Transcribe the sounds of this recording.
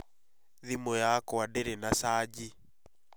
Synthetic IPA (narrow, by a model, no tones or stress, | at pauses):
ðimojakɔadeɾenasaːd͡ʒi